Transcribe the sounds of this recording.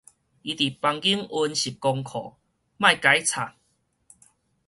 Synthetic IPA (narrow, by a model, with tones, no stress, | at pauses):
ʔi˧t̪i˨˩pa˧ŋɡi˦əŋu˧nɕi˨˩kːɔ˧ŋkʰɔ̰˨˩˦ | mã˥˧˨jka˨˦jt͡sʰa˨˩ŋ̚